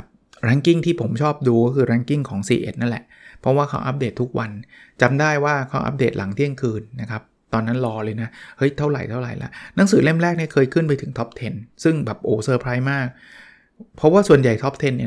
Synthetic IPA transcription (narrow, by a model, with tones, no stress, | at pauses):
p̚ | ɾa˦˥ŋki˥˩ŋt̪ʰiː˥˩pʰo˩˦mt͡ɕʰɔː˥˩p̚duː˧kɔː˥˩kʰɯː˧ɾaː˦˥ŋki˥˩ŋkʰɔː˩˦ŋsḭː˧ʔḛ˨˩t̪̚na˦˥nlɛ̰˨˩ʔ | pʰɾɔ˦˥waː˥˩kʰa̰˦˥wʔa˦˥p̚deː˨˩t̪ʰːu˦˥k̚wa˧nt͡ɕa˧mdaː˥˩jwaː˥˩kʰa˧˦˥wʔa̰˦˥p̚deː˨˩t̪̚la̰˩˦ŋt̪ʰi˥˩əŋkʰɯː˧nːa˦˥kʰɾa˦˥p̚t̪ɔː˧nːa˦˥nlɔː˧lɤː˧jna˦˥hɤ˦˥jt̪ʰa˥˩wɾa˨˩jt̪ʰa˥˩ɾa˨˩jlɛ̰˦˥ʔna˩˦ŋsɯː˩˦le˥˩mɾɛː˥˩k̚ni˥˩kʰɤː˧jkʰɯ˥˩npa˧jt̪ʰɯ˩˦ŋt̪ʰɔ˦˥p̚t̪ʰe˧nsɯ˥˩ŋbɛː˨˩p̚ʔoː˨˩sɤː˧pʰɾaː˧˥jmaː˥˩k̚ | pʰɔ˦˥waː˥˩su˨˩ənja˨˩jt̪ʰɔ˦˥p̚t̪ʰe˧nːi˥˩˨